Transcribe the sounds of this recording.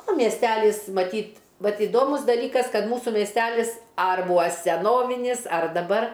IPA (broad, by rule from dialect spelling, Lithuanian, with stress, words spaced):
oː mʲiɛsʲˈtʲælʲiːs mɐˈtʲiːt ˈʋɐt ɪˈdoːmʊs dɐˈlʲiːkɐs ˈkɐt ˈmuːsuː mʲiɛsʲˈtʲælʲɪs ɐr ˈbuːɐ sʲɛˈnoːʋʲɪnʲiːs ɐr dɐˈbɐr